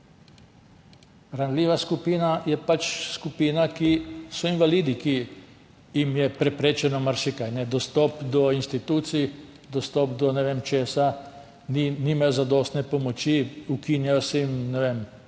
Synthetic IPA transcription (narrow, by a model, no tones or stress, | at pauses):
ɾanlʲiːʋaskupiːnajɛpat͡ʃskupiːnakisɔinʋaliːd̪iki | jimjɛpɾɛpɾeːt͡ʃɛnɔmaɾʃikajnɛd̪ɔst̪ɔːpd̪ɔinst̪it̪uːt̪si | d̪ɔst̪ɔpd̪ɔnɛʋeːmt͡ʃeːsa | niniːmajɔzad̪ost̪nɛpɔmɔt͡ʃiukiːnjajɔsɛimnɛʋeːm